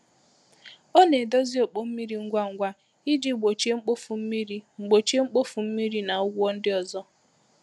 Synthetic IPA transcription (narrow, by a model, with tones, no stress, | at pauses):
o˦ne˨do˦zi˦o˨k͡po˦m̩˦mi˦ɾi˨ŋ̩˦ɡʷa˦˨ŋ̩˦˨ɡʷa˦ | i˦di˦ɡ͡bo˨t͡ʃe˦ŋ͡m̩˦k͡po˦fu˨m̩˦mi˦ɾi˦ŋ͡m̩˨ɡ͡bo˨t͡ʃe˦ŋ͡m̩˦k͡po˦fu˨m̩˦mi˦ɾi˦na˨ʊ˦ɡʷɔ˦n̩˦dɪ˦ɔ˨zɔ˦